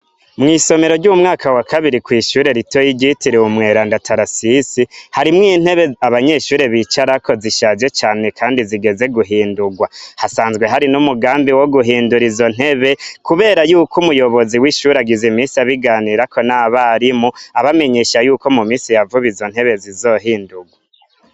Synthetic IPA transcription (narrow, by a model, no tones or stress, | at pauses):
mŋiːso̞me̞ɾo̞ɾɟumŋaːkʰawakaβiɾikwiːʃuːɾe̞ɾito̞jiɟitiɾeumŋe̞ːɾandatʰaɾasisihaɾimŋiːn̥he̞βeaβaɲe̞ʃuːɾe̞βit͡ʃaɾako̞ziʃazje̞t͡ʃaːne̞kʰaːndiziɡe̞ze̞ɡuɦiːnduɡwahasaːnzɡwe̞ɦaɾinumuɡaːmbiwoɡuɦiːnduɾizo̞n̥he̞βe̞kuβe̞ːɾajuːkʰumujo̞βo̞ziwiːʃuːɾaɡizimiːsiaβiɡaːniːɾako̞naβaɾimoaβame̞ɲeʃajuːko̞mumiːsijavuβizo̞n̥he̞βe̞zizo̞ɦiːnduɡwa